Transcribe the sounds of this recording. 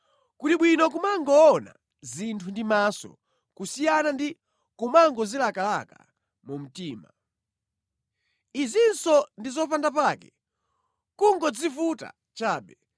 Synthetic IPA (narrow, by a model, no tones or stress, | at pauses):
kutiɓwinɔk̬umaŋɡɔːna̰ | zintʰundimasɔ̰ | kusijanandi | kumaŋɡɔzilakalaka̰ | mum̩tiːma | izinsɔndizɔpandapakɛ | kuŋɡɔd͡zifuta̰ | t͡ʃaːɓɛ